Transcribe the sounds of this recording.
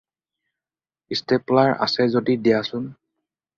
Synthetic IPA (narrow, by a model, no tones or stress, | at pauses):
isteplaɹa̰sɛzodidijasʊn